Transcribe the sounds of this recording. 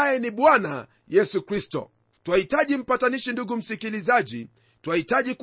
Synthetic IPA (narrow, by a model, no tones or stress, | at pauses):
jɛniɓwana̰ | jɛsukɾistɔ̰ | twahitaʄim̩pataniʃinduɡum̩sikilizaʄḭ | twahitaʄik